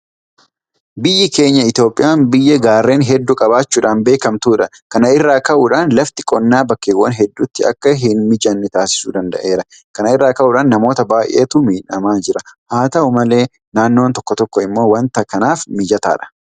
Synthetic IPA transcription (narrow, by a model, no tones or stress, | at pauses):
bɪjːɪke̞ːɲːɐɪt̪jo̞ːpʼɪjaːmbɪjːɛɡaːrːe̞ːnɦɛd̪ːukʼɐbaːt͡ʃːuːᶑaːnbe̞ːkɐmt̪uːᶑɐ | kɐnɐɪrːaːkɐʔuːᶑaːnlɐft̪ɪ̥kʼɔnːaːbɐkːewːɐnɦɛd̪ːut̪ːɪɐ̰kːɐɦɪnmɪd͡ʒɐnːɛt̪aːsɪ̥suːd̪ɐnd̪ɐ̰ʔe̞ːɾɐ | kɐnɐɪrːaːkɐʔuːᶑaːnːɐmo̞ːt̪ɐbaːjʔḛːt̪umiːnɐ̰maːnd͡ʒɪɾɐhaːt̪ɐʊmɐle̞ː | naːnːo̞ːnt̪ɔkːɔt̪ɔkːɔɪmːo̞ːwɐnt̪ɐkɐnaːfmɪd͡ʒɐt̪a̰ːᶑɐ̥